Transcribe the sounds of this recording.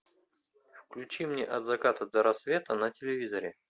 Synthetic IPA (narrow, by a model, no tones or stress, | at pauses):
fklʲʉt͡ɕimnʲeʔɐd̪zɐkat̪əd̪əɾɐsvʲe̞t̪ənətʲɪlʲɪvʲizəɾʲɪ